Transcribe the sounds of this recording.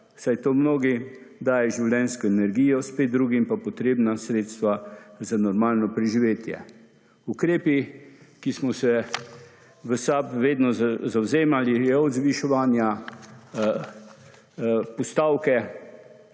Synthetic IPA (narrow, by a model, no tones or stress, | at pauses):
sajt̪oːmnoːɡid̪aːjɛʒiwljɛnskɔɛnɛɾɡiːjɔspeːt̪̚d̪ɾuːɡimpapɔt̪ɾeːbnasɾeːt̪st̪ʋazanɔɾmaːlnɔpɾɛʒiʋeːt̪jɛ̰ | ukɾeːpikismɔsɛ | ʋəsapʋeːd̪nɔzawzeːmalijɛɔd̪zʋiʃɛʋaːnja | pɔst̪aːwkɛ